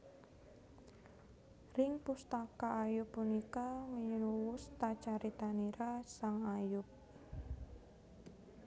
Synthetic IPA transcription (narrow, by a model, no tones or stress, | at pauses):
rɪŋpust̪akaːjʊpːunikaŋijunuwʊst̪at͡ʃaɾit̪aniɾasaŋajʊp̚